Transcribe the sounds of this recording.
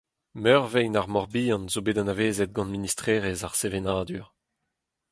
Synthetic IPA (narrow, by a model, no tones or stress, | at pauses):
mœʁvɛjnaʁmɔʁbiːɑ̃nzobeːdãnaveːzɛt̪̚ɡɑ̃nministχeːʁezaʁsevenaːd̪yʁ